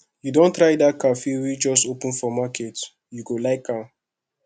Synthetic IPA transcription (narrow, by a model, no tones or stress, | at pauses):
judõntɾajdakafiwid͡ʒɔstopũnfɔmaket | juɡolaɪkːã